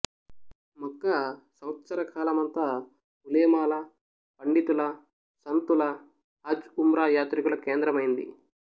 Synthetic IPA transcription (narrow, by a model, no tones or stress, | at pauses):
mɔkːɐsɐwt̪sɐɾɐkʰaːlɐmɐnt̪ɐ | ulɐjmaːlɐ | pɐɳɖit̪ulɐ | sɐnt̪ulɐ | ɐd͡ʒumɾaːjaːt̪ɾikulɐkeːnd̪ɾɐmɐjind̪ḭ